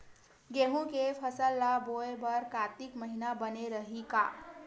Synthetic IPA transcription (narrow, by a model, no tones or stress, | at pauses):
ɡeɦũkepʰəsəlːaboebəɾkat̪ikməɦinabəneɾəɦika̰